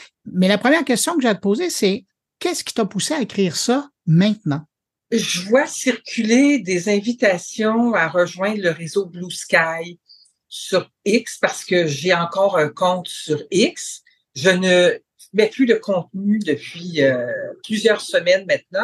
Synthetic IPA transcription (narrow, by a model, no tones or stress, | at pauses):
mɛlapχəmjɛːʁkʲɛst̪jɔ̃kəʒat̪̚poːzesɛ | kʲɛskʲi̥t̪apuseaekχiːʁsʌ | mɛ̃t̪̚nɑ̃ | ʒəvwasiʁkʲʰyled̪ezɛ̃vit̪asjɔ̃aʁəʒwɛ̃d̪ʁləʁezobluskʲaj | syʁ | ɪkspaʁsə̥kəʒeɑ̃kɔːʁə̃kɔ̃t̪syʁiks | ʒənə | mɛpʰlyləkʰɔ̃t̪̚nyd̪əpɥiøplyzjœːʁsəmɛnmɛ̃t̪̚nɑ̃